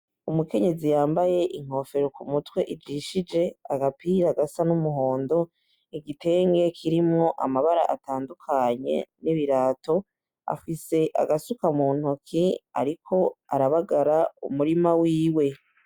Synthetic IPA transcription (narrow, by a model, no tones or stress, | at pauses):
umuke̞ɲe̞zijaːmbaje̞ʔiŋ̥o̞fe̞ɾokumutwe̞ʔid͡ʒiʃid͡ʒe̞aɡapiːɾaɡasanumuɦo̞ːndo̞ | iɡite̞ːŋɡe̞kʰiɾimŋo̞ʔamaβaɾa̰ʔatʰaːndukʰaɲe̞̰niβiɾaːto̞ | a̰fise̞ʔa̰ɡasukamuːn̥hukʰia̰ɾikʰo̞a̰ɾaβaɡaɾaṵmuɾimawiːwe̞